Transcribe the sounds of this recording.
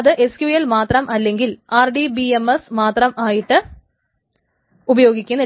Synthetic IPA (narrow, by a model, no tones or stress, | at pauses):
ɐðɨʔe̞skjujelmaːt̪rɐmʔɐlːe̞ŋɡilaːrɖibiemesmaːt̪rɐmaːjiʈːɨ | ubɐjo̞ːɡikʲːunːɐ